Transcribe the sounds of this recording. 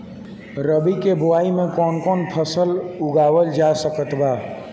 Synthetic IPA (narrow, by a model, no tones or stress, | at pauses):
ɾəbikeboaimekɔnkɔnpʰəsəluɡawəld͡ʒasəkət̪ba